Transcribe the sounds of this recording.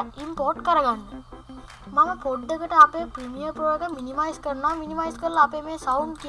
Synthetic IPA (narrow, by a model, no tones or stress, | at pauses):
impoːʈkɐɾɐɣaːn | mɐŋɐpoɖːɐkːiʈːɐɐpːeːpɾimijɐɾpɾoːjoɡɐmːinimɐjskɐɳnaːminimɐjskɐɾlɐpːeːmeːsɐwɳɖk